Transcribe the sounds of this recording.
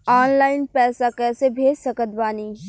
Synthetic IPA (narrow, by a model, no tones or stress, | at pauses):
aːnlaːɪnpɛːsakɛːsebʱeːd͡ʒsɐkət̪baːniː